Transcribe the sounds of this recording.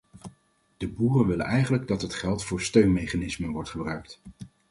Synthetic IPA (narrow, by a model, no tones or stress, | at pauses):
d̥əbuːrənʋɪlə̰nɛjχənləɡ̚dɑtɦətχɛlˠtfʊːɹstøɥnmejχanɪsmənʋɔɹtχəbrœɥkt